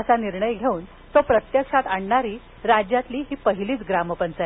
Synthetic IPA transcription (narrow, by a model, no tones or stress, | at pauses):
əsaniɾɳəjɡʱeuːn | t̪opɾət̪jəkʂat̪aɳɳaɾiː | ɾad͡ʑjat̪liːɦiːpəɦiliːt͡sɡɾaməpənt͡saj